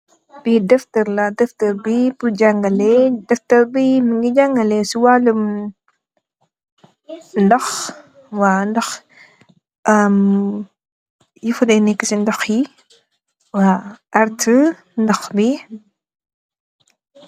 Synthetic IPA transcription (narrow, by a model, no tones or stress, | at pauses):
b̥idɛftɐɾladɛftɐɾbibud͡ʒaŋɡɐlɛdɛftɐɾbimiŋɡid͡ʒaŋɡɐlɛsiwaːləm | ndɐx | wandɐx | ʔəm | jufudɛnɛkːisindɐxji | waaɾtʰə | ndɐxbi